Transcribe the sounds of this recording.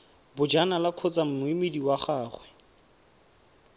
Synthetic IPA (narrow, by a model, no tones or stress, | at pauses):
bʊd͡ʒanalakʰʊt͡sam̩mʊimediwaχaːχwɛ